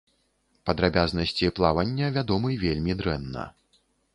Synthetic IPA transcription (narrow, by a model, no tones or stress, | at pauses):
pɐd̪ɾabʲaznɐsʲt͡sʲiplˠavɐnʲːɐvʲad̪ɔmɨvʲelʲmʲid̪ɾɛnːɐ̰